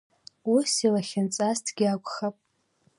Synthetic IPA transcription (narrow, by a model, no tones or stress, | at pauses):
usilaχʲɪnt͡sʼastʰɡʲiakʷʼχapʼ